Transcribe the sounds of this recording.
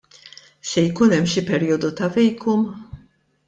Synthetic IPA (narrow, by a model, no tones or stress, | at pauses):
sɛjkuːnɛmːʃipɛɾiːjɔd̪ut̪ɐvɛjkʰum